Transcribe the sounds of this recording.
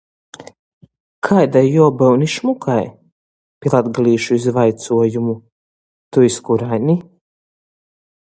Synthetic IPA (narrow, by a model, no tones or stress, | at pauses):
kʰajd̪ajːuɔbɛwniʃmukaj | pʲilˠad̪ɡliːʃuizvajt̪suɔjumu | t̪uiskuɾajni